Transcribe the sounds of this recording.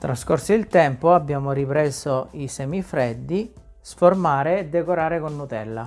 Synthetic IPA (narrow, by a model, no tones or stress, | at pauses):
t̪ɾaskorsiilt̪ɛmpoabːjaːmoɾipɾɛːzoisɛːmifɾɛd̪ːi | sformaːɾeːd̪ːekoɾaːɾekonːut̪ɛlːa̰